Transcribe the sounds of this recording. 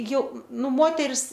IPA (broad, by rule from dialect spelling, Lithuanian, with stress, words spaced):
ˈjɛʊ ˈnʊ ˈmoːtʲɛrʲɪs